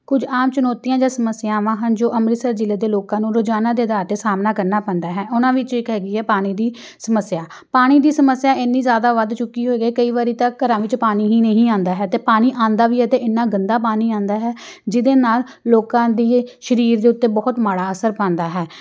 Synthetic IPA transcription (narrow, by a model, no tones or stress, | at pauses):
kʊd͡ʒaːmt͡ʃənɔːt̪iːãːd͡ʒãːsəməsɪjãːʋãːɦənd͡ʒoːʔəmɾɪsəɾd͡ʒɪleːd̪eːloːkãːnũːɾod͡ʒaːnaːd̪eːd̪aːɾt̪eːsaːmnaːkəɾnaːpɛ̃ːnd̪aːɦɛːʔʊnãːʋɪt͡ʃɪkɦɛːɡiːɦɛːpaːɽ̃iːd̪iː | səməsːjaː | paːɽ̃iːd̪iːsəməsːjaːʔɪnːiːzjaːd̪aːʋəd̪t͡ʃʊkːiːɦoːeːɡiːkəiːʋaːɾiːt̪akːəɾãːʋɪt͡ʃpaːɽ̃iːɦĩːnəɦĩːãːnd̪aːɦɛːt̪eːpaːɽ̃iːʔãːnd̪aːʋiːɦɛːt̪eːʔɪnːaːɡənd̪aːpaːñiːãːnd̪aːɦɛː | d͡ʒɪd̪eːnaːlːoːkãːd̪iːʃəɾiːɾd̪eːʊt̪ːeːbɔːt̪maːɽaːəsəɾpãːnd̪aːɦɛː